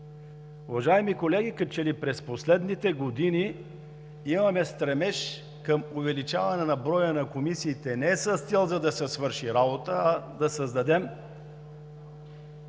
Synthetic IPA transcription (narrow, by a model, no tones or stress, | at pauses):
ʊvɐʒaɛmikolɛɡ̟ʲikət͡ʃɛlipɾɛsposlɛd̪nit̪ɛɡod̪ini | imɐmɛst̪ɾɛmɛʃ | kəmʊvɛlit͡ʃavɐnɛnɐbɾɔjənɐkomisiːt̪ɛnɛsəst̪sɛlˠzɐd̪ɐsɛsvɤɾʃiɾabot̪əɐd̪ɐsəzd̪ɐd̪ɛm